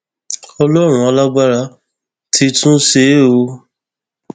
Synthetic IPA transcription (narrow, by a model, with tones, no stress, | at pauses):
ɔ˧lɔ˦˨ɾ̃ũ˦ɔ˧la˦ɡ͡ba˦ɾa˧˦ | tʰi˧tũ˦se˦o˧